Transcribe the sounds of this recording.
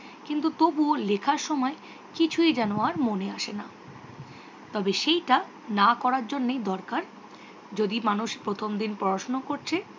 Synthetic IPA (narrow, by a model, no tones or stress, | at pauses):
kint̪ut̪obuolekʰaɾʃɔmɔe | kit͡ɕʰued͡ʑanoaɾmoneaʃena | t̪ɔbeʃejʈa | nakɔɾaɾd͡ʑonːejd̪ɔɾkaɾ | d͡ʑod̪imanuʃpɾot̪ʰomd̪inpɔɾaʃnokoɾt͡ɕʰe